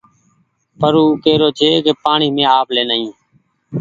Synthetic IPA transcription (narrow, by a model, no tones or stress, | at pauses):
pəɾuːkeːɾoːd͡ʒʰʱeːkeːpaːɳiːmẽːaːpleːnəĩː